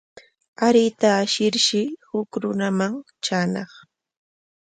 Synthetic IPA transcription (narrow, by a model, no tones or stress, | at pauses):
aɾɪt̪aːʃɪɾʃɪhʊkɾʊnamaŋ | t͡ʃaːnɑχ